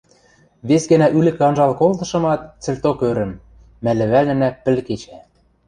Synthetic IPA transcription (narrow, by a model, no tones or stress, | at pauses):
βesɡɘ̆næʔylɘ̆kɑnʒɑlkolt̪ɤ̆ʃɤ̆mɑt̪̚t͡sɘ̆lʲt̪okøɾɘ̆mː | ælɘ̆βælnɘ̆næpɘ̆lket͡ɕæ